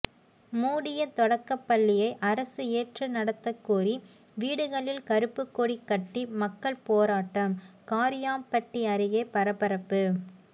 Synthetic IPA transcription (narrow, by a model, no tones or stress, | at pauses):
muːɽɪjɐt̪ɔɽɐkːɐpːɐɭːɪjɐɪʔɐɾɐsɯeːʈrɯnɐɽɐt̪ːɐkːuːɾi | ʋiːɽɯɣɐɭɪlkɐɾɯpːɯkːoɽikːɐʈːimɐkːɐɭpoːɾaːʈːɐmkaːɾɪjaːmpɐʈːiɐɾɯɣeːpɐɾɐpɐɾɐpːɯ